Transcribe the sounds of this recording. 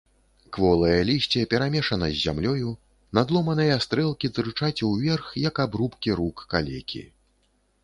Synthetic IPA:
kvɔlˠɐjɐlʲiɕʲt͡sʲɛpʲɛɾamʲɛʂɐnɐzʲːa̰mlʲɔju | nad̪lˠɔmɐn̪ɨjɐast̪ɾɛlˠkʲit̪ɾɨt͡ʂat͡sʲwvʲɛrxjɐkabɾupkʲiɾukːa̰lʲɛkʲʰḭ

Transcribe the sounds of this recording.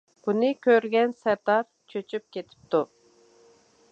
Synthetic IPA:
b̥unɪkʲʰøɾɡʲɛnsɛɾd̪ɑɾ | t͡ʃʰøt͡ʃʰyp̚kʲet̪ʰɪ̥p̚t̪u

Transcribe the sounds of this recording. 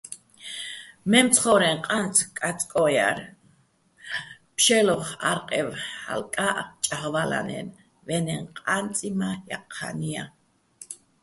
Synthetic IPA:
memt͡sχoɾeɴqʼant͡sʼkʼat͡sʼkʼoja̰ɾ | pʃeloχaɾqʼewa̰lkʼaʔqt͡ʃʼaχβala̰nḛn | βeneɴqʼant͡sʼimaja̰qʰːa̰nia

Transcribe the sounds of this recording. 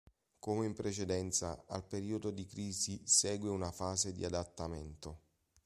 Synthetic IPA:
komeimpɾet͡ʃed̪ɛnt̪sa̰a̰lpeɾiːod̪od̪ikɾiːzisɛːɡweunafaːzed̪ḭad̪at̪ːament̪o

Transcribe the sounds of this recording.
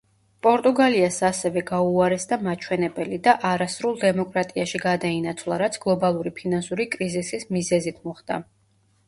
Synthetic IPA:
pʼɔɾt̪ʼuɡaliasasɛvɛɡauaɾɛsd̪amat͡ʃʰwɛnɛbɛlid̪aʔaɾasɾulˠd̪ɛmɔkʼɾat̪ʼiaʃiɡad̪ainat̪sʰvlˠaɾat̪sʰɡ̥lˠɔbalˠuɾipʰinansuɾikʼɾizisismizɛzit̪ʰmɔχd̪̥a̰

